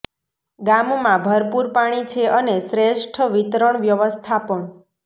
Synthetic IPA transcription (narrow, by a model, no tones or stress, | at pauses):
ɡammãbʱəɾpuɾpaɽ̃it͡ʃʰeʔənesɾeʃʈʰəʋit̪ɾəɳʋjəʋəst̪ʰapəɳ